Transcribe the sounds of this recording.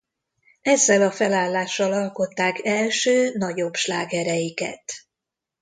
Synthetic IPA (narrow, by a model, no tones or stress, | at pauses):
ɛzːɛlɒfɛlaːlːaːʃːɒlɒlko̞t̪ːaːkɛlʃøːnɒɟo̞bʃlaːɡɛɾɛjikɛ̰t̪